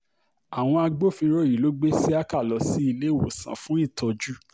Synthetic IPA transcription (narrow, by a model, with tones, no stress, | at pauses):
a˨w̃ɔ̃˧a˧ɡ͡bo˦˨fĩ˧ɾo˦˨ji˨lo˨˦ɡ͡be˦si˦a˦ka˦˨lɔ˨˦si˦i˧lẽ˦wo̰˨sã̰˨˦fũ˦i˦˨tɔ˧d͡ʒu˦